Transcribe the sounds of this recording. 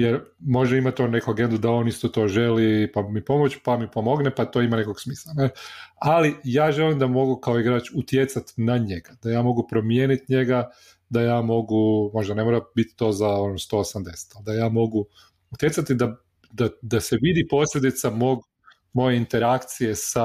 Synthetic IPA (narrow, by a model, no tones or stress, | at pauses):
jeɾmo̞ʒeimat̪ːone̞kuaɡe̞nd̪ud̪ao̞nist̪o̞t̪o̞ʒe̞lipamipo̞mo̞t͡ʃpamipo̞mo̞ɡnepat̪o̞imanekoɡsmiːslˠanealijaːʒelimd̪amo̞ɡukaoiɡɾaːt͡ʃut̪jet̪sat̪inaɲe̞ɡad̪ajaːmo̞ɡupɾo̞mjenit̪ɲe̞ɡa | d̪ajaːmo̞ɡumo̞ʒd̪ane̞moɾabit̪i̥t̪o̞ːzao̞nost̪o̞ːosamd̪e̞se̥t̪ald̪ajaːmo̞ɡu | ut̪je̞t̪sat̪id̪a | d̪ad̪ase̞ʋid̪ipo̞sʎʲe̞d̪it̪samo̞ɡ | mo̞je̞int̪e̞ɾakt̪sije̞sa